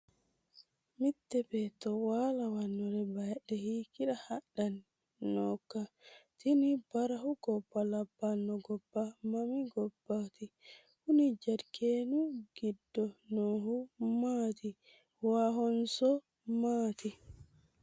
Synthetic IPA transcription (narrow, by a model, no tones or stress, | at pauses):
mitːɛbɛtɔwalawanːɔɾɛbaɛɗɛhikiɗahaɗːan | nːɔkːatinibaɾahuɡɔbːalabːanːɔɡɔbːamamiɡɔbːati | hunid͡ʒadkʰeːnuɡ̥idːɔnɔɦumati | waɦɔnsɔ | maːti